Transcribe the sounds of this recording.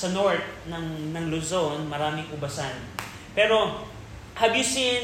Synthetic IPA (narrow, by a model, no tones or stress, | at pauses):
sɐnoɹt̪̚nɐŋnɐŋlozonmɐɾaːmɪŋʔʊbɐsan | pɛːɾo̞ | ʔɐbɪsɪ